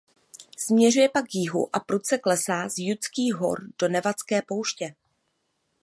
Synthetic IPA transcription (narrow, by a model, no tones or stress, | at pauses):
smɲɛrujɛpakjɪɦṵʔapɾut̪t͡sɛklɛsaːzjut͡skiːɦo̞̰ɾd̥o̞nɛvat͡skɛːpo̞wʃcɛ